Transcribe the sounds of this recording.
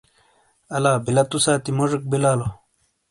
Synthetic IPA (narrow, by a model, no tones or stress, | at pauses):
ɐlaːbilɐt̪usaːt̪imoʐik̚bilaːlo